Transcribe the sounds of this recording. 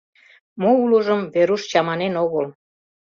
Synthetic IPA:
moulə̆ʒəmveɾuʃt͡ɕɑmɑnenoɣəl

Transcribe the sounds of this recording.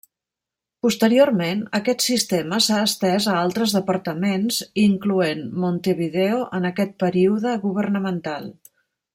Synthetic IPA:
pust̪əɾiormenəkɛt̪sist̪eməsaəst̪ɛzəalˠt̪ɾəzðəpəɾt̪əmenziŋkluenmont̪eβiðeoʔənəkɛt̪̚pəɾiuðəɣuβərnəmənt̪alˠ

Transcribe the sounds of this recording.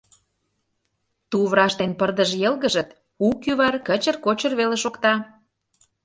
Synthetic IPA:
t̪uβɾɑʃt̪enpərd̪əʒjelɣə̆ʒə̆t̪ | ukjyβɑrkə̆t͡ɕə̆rkot͡ɕə̆rβeleʃokt̪ɑ

